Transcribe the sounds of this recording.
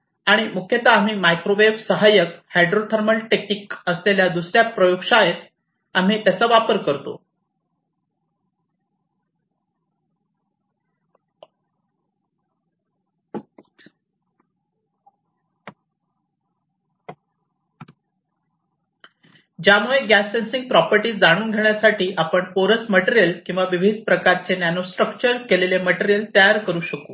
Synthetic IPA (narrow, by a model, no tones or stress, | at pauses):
aɽ̃imukʰjət̪aːm̤iːmajkɾoʋebsəɦajəkhajɖɾot̪ʰəɾməlʈeknikəsleljad̪usɾjapɾəjokʂajet̪ | am̤iːt̪jat͡səʋapəɾkəɾt̪o̰ | d͡ʑjamuɭeɡæsensiŋɡ̚pɾɔpəɾʈiːd͡zaɽ̃uːnɡʱeɳ̃jasaʈʰiːʔapəɳpoɾət͡sməʈeɾijəlkĩw̃ʋaʋibʱid̪̚ʱpɾəkaɾt͡senjanosʈɾək̚t͡ɕəɾkeleleməʈeɾijəlt̪əjaɾkəɾuːɕəko